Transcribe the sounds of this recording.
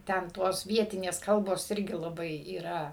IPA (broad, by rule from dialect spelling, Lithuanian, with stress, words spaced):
ˈtʲɛn ˈtoːs ˈʋʲiɛtʲɪnʲeːs ˈkɐlˠboːs ˈɪrʲɡʲɪ lˠɐˈbɐɪ iːˈrɐ